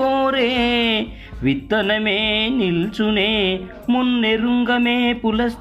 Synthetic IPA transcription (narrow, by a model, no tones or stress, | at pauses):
oːɾe | ʋid̪ːɐnɐmenilt͡ʃune | munːeɾuŋɡɐmepulɐs